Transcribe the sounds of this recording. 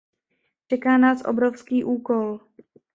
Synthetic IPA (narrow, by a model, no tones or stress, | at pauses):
t͡ʃɛkaːnaːsʔo̞̰bɾofskiːʔuːko̞l